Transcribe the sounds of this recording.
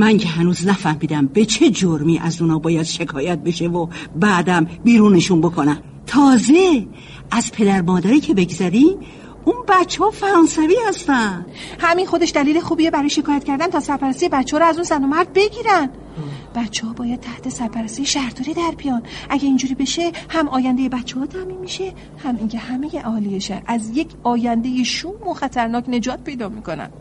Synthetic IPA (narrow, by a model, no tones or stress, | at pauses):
mæŋcʰe̞ɦænuːznæfæhmiːd̪æmbe̞t͡ʃʰe̞d͡ʒoɾmiːʔæzunɒːbɒːjæd̪̥ʃe̞kʰɒːjæt̪̚be̞ʃevobæːd̪æmbiːɾuːneʃunbokʰonæm | t̪ʰɒːze | ʔæzpʰe̞d̪æɾmɒːd̪æɾiːcʰe̞be̞ɡzæɾim | unbæt̪t͡ʃʰːehɒfæɾɒːnsæviːhæst̪ænd̪̥hæminxo̞d̪e̞ʃd̪æliːlexuːbiːebæɾɒːjeʃe̞kʰɒːjæt̪̚ʰcʰæɾd̪ænt̪ʰɒːsæɾpæɾæst̪ijebæt̪t͡ʃːeɒːɾɔæzunzæno̞mæɾd̪̚be̞ɡiːɾænd̪̥ | b̥ætt͡ʃʰːehɒːbɒːjæd̪̚t̪ʰæht̪ʰe̞sæɾpʰæɾæst̪ijeʃæhɾt̪oɾiːd̪æɾbijɒːnʔæɟeind͡ʒuːɾiːbe̞ʃe̞hæmɒːjænd̪e̞jebæt̪t͡ʃːehɒːt̪ʰæminmiʃe̞ | hæmiŋcʰe̞hæme̞je̞ʔɒːlijeʃæ̰ɾæzje̞kʰɒːjænd̪ejeʃuːmoxæt̪ʰæɾnɒːkne̞d͡ʒɒːt̪̚pʰe̞jd̪ɒːmiːko̞næ̰n̥